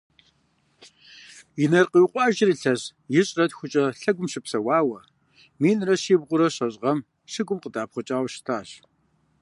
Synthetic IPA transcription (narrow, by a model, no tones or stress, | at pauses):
inɐrqiwqʷʼɑːʒɪriɬɐʑjɪɕʼrɐtxʷʊt͡ʃʼɐɬɐɡʷʊmɕɪpsɐwaːwɐ | miːnrɐɕiːbʁʷʊɾɐɕɐɕʼʁɐm | ɕɪɡʷʊmqədaːpχʷʊt͡ʃʼaːwɕɪ̥tʰaːɕ